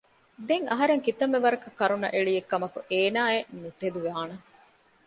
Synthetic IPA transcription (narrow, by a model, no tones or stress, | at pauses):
d̪eŋɐɦɐɾeŋkit̪ɐmːeʋɐɾɐkɐkːɐɾunːɐ̰ʔeɭijekːɐmɐkuʔeːnaːennut̪ed̪uʋaːnɐ